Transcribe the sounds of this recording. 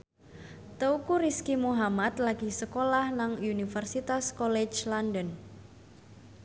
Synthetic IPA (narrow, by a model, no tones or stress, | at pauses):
t̪əukuɾiskimuɦamat̪laɡ̥i̤səkolahnaŋunifərsit̪askɔlɛt͡ʃlandən